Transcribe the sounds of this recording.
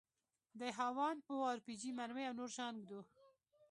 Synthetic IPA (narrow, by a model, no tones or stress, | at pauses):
d̪əɦawɑnoɑɾpid͡ʒimaɾweawnoɾʃɑnɡd̪o